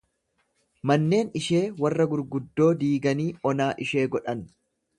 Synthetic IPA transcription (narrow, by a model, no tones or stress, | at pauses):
mɐnːe̞ːnɪʃe̞ːwɐrːɐɡʊɾɡʊd̪ːo̞ːd̪iːɡɐniːɔnaːʔɪʃe̞ːɡɔᶑɐn